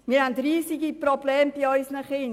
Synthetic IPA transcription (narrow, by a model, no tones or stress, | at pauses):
miːɾhændriːsiɡiprobleːmb̥iɔʏsnəχɪn